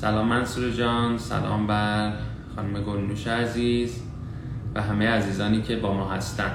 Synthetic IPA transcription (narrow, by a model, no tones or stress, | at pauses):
sælɒːmːænsuːɾed͡ʒɒːnsæ̰lɒ̰ːmbæɾ | xɒːnume̞ɡo̞nːuːʃeæziːz | væɦæme̞jeæziːzɒːniːcʰe̞bɒːmɒːɦæst̪ænd̪̥